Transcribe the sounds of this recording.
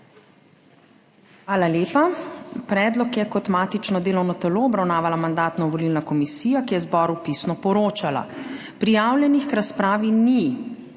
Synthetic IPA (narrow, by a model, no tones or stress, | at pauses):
xʋaːlaleːpapɾɛːd̪lɔkjɛkɔt̪maːt̪it͡ʃnɔd̪eːlɔwnɔt̪ɛloɔbɾawnaːʋalamand̪aːt̪nɔʋɔlilnakɔmisiːjakijɛzbɔːɾupisnɔpɔɾoːt͡ʃala̰ | pɾijaːwljɛnixkɾaspɾaːʋini